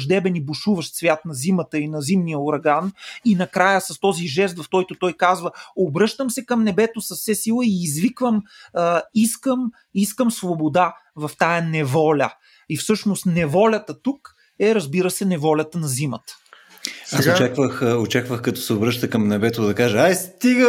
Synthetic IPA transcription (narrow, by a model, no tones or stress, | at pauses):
ʒd̪ɛbɛnibʊʃuvɐʃt̪svʲjat̪nɐzimət̪əinɐzimnijəoɾɐɡaninɐkɾajəsɐst̪ɔziʒɛst̪vɐfkɔjt̪ʊt̪ɔjkazvəobɾɤʃt̪əmsɛkɐmnɛbɛt̪ʊsɐfsɛsilˠəiːzvikvəm | iskəm | iskəmsvobod̪a | vɐft̪ajɐnɛvɔlʲə̰ | ifsɤʃnost̪nɛvɔlʲɐt̪ət̪uk | ɛɾɐzbiɾəsɛnɛvɔlʲɐt̪ənɐzimə̰t̪ə̥ | aot͡ʃakvəxot͡ʃakvəxkɐt̪ɔ̥sɛobɾɤʃt̪əkɐmnɛbɛt̪oʊd̪ɐkaʒəajst̪iɡə